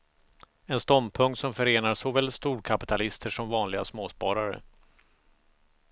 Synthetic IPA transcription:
ɛnst̪ɔmpʰɵŋkt̪sɔmfœɾeːnaʂɔvɛlst̪uːɾkʰapɪt̪ʰalɪst̪ʰəʂɔmvɑːnlɪɡa̰smoːspɑːɾaɾə̰

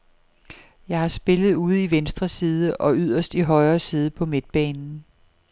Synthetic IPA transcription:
jɑ̈ɪhɑ̈sb̥e̝lð̞̩ˠuːð̞̩ˠiʋensd̥ʁɐsiːð̞ˠəʔɒ̽yð̰ˠɐsd̥iɦɒ̽ɪɐːsiːð̞ˠəpʰɒ̽me̝d̥̚b̥ɛːnn̩

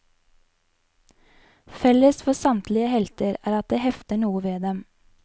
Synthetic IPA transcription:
fɛləsfɔsɑmt̪lɪəhɛlt̪əɾæːɾɑt̪̚d̪eːhɛft̪əɳuːəʋeːd̪ɛm

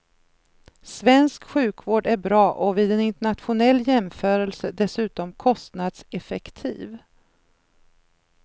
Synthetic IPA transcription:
svɛnskɧʉ̟ːkvoːɖæɾbɾɑːʔɔvɪd̪ɛnɪnt̪əɳat̪ɧʊnɛlːjɛmfœːɾəlsəd̪ɛsʉ̟ːt̪ɔmkʰɔst̪nad̪sɛfɛkt̪ʰḭːv

